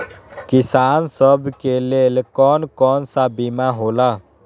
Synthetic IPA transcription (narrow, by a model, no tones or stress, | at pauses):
kɪsaːnsəbʱkeleːlkɔːnkɔːnsabimaɦoːla